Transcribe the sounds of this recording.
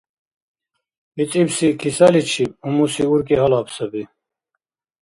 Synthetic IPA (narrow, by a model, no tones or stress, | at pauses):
it͡sʼibsikʰisɐlit͡ɕʰib̚umusiuɾkeɦɐlapsɐbi